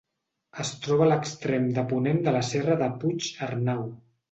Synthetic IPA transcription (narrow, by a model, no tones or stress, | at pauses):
əst̪ɾɔβələkst̪ɾemd̪əpunend̪ələsɛrəðəput͡ʃərnaw